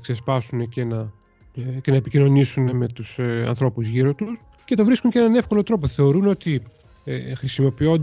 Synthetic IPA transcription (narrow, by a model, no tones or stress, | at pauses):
kse̞spɐsune̞ce̞nɐ | ce̞nɐepicino̞nisune̞me̞t̪useɐ̰nθɾo̞puzʝiɾo̞t̪us | ce̞t̪o̞vɾiskuɲeenɐne̞fko̞lo̞t̪ɾo̞po̞θe̞o̞ɾuno̞t̪i | exɾisimo̞pio̞nd̪